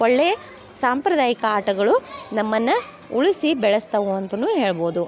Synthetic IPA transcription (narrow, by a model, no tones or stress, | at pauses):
ɔɭːe | saːmpɾɐd̪aːjikɐaːʈɐɡɐɭunɐmːɐnːɐ | uɭisibɛɭɐst̪ɐʋuɐnt̪ɐnuːɦe̞ːɭɐbo̞ːd̪u